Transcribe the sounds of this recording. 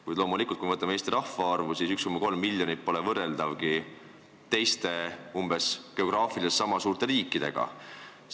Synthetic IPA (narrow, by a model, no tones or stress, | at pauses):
kujd̪̥lo̞ːmulikult̪kuimɤt̪ɑmeeːst̪iɾɑhfɑɑrvusiːsykskomːɑko̞lmːilʲjo̞nit̪̚po̞lɛvɤrːe̞ld̪̥ɑvɡi | t̪e̞jst̪e̞umb̥e̞sɡ̥e̞o̞ɡ̥rɑːfilesːɑmɑsuːrt̪e̞ɾiːkˑːid̪̥e̞ɡ̥ɑ̰